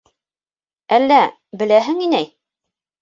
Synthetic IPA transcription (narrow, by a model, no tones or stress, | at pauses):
ælːæ | bɘ̆læɦɘŋinæj